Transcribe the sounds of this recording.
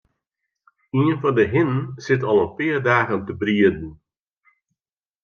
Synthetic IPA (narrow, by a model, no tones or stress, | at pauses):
iənfɑndəɦɪnənsɪtɔlˠənpɪərdaːɣəntəbriədn̩